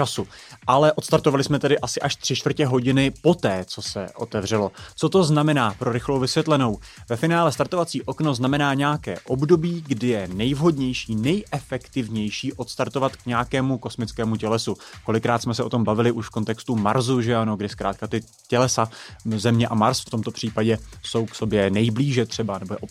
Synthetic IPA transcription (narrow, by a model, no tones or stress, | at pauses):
t͡ʃasu | ʔalɛʔo̞t̪st̪aɾt̪ovalɪsmɛt̪ɛdɪʔasɪʔaʃt̪r̝̥ɪt͡ʃt̪vr̩cɛɦo̞ɟɪnɪpo̞t̪ɛːt͡so̞sɛ̰ʔo̰t̪ɛvrɛlo̞t͡so̞t̪o̞znamɛnaːpɾo̞ɾɪxlowvɪsvjɛt̪lɛno̞w | vɛfɪnaːlɛst̪aɾt̪o̞vat͡siːʔo̞kno̞znamɛnaːɲɛjakɛ̰ːʔo̞bdo̞biːɡdɪjɛnɛjvɦo̞dɲɛjʃiːnɛjʔɛfɛkt̪ɪvɲɛjʃiːʔo̞t̪st̪aɾt̪o̞vat̪kɲɛjakɛːmuko̞smɪt͡skɛːmucɛlɛsuko̞lɪkːɾaːt̪smɛsɛʔo̞t̪o̞mbavɪlɪʔuʃfko̞nt̪ɛkst̪uma̰ɾzuʒɛano̞ɡdɪskɾaːt̪̚kat̪ɪ | cɛlɛsazɛmɲɛʔamaɾsft̪o̞mt̪o̞pr̝̥iːpaɟɛso̞wkso̞bjɛnɛjbliːʒɛt̪r̝̥ɛbanɛbojɛʔo